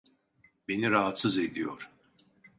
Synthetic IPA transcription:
be̞niɾaɦat̪sɯze̞d̪ijoɾ̥

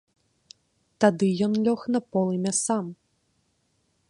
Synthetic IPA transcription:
t̪ad̪ɨjɔnlʲɔxnɐpɔlˠɨmʲasam

